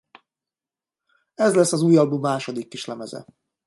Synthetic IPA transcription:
ɛzlɛsːɒzuːjɒbumːaːʃo̞d̪ikːiʃlɛmɛzɛ̰

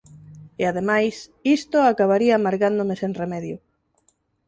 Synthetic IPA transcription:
eaðemajsist̪ʊakaβaɾiaːmaɾɣand̪ʊmeseŋremɛðjʊ

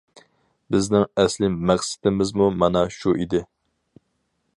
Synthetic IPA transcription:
bɪznɪŋɛslɪmɛχsɪ̥t̪ɪmɪzmumɑnɑʃuʔid̪ɪ

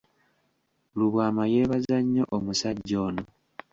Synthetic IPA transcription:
luβwaːmaje̞ːβazaɲːo̞ʔomusaɟːo̞ːno

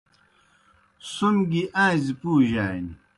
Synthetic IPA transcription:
sunɡiʔãːzipuːʑaːni

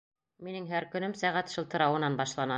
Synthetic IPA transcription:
minɘŋɦæɾkɵ̆nɘmsæʁæt̪ʃɤ̆lˠt̪ɤ̆ɾɑwɤ̆nɑnbɑʃlˠɑnɑ

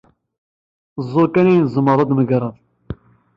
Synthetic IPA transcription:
zˤːʊkænijnzˤəməɾˤɑd̪məɡɾˤɑðˤ

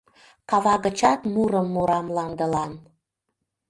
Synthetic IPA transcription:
kɑβɑɣət͡ɕɑt̪muɾəmːuɾɑmlɑnd̪əlɑn

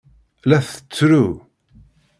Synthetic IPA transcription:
læθə̥t͡sːɾu

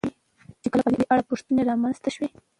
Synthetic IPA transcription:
i | t͡ʃekəlapəd̪ed̪eʔaɽapʊʂt̪əneɾɑmanz̥t̪aʃwi

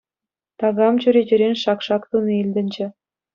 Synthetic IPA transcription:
t̪ɑɣɑmt͡ɕyɾʲed͡ʑɘ̆ɾʲenʲʃɑkʂɑkt̪unɤilʲd̪ʲɘ̆nʲd͡ʑɘ̆

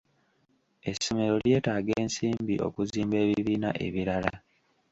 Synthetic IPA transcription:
e̞some̞ɾo̞lje̞ːtaːɡeːnsiːmbiʔo̞̰kuziːmbe̞ːβiβiːnaʔe̞̰βiɾala

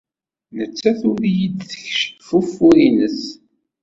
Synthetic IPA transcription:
nət͡sːæθʊɾjid̪θə̥çʃfufːuɾinəs

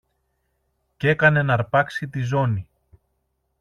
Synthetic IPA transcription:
ce̞kɐne̞nɐɾpɐksit̪izo̞ni

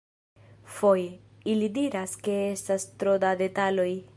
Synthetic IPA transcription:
fo̞je | ilidiɾaske̞e̞stastɾodade̞talo̞j

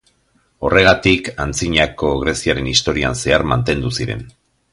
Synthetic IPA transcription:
o̞re̞ɣ̞at̪ikant͡siɲako̞ɣɾe̞siaɾe̞nist̪o̞ɾia̰nse̞aɾmant̪e̞nd̪usiɾe̞̰n

